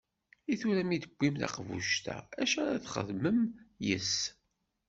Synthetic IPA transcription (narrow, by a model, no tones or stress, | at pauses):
iθuɾæmid̪əɡʷːimðɑ̰qvṵʃt̪æ̰æʃaɾæθχə̰ðməmjəs